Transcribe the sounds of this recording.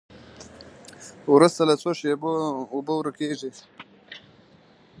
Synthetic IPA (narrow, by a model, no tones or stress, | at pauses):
wɾust̪alat͡swoʃeboubowɾəkeʐi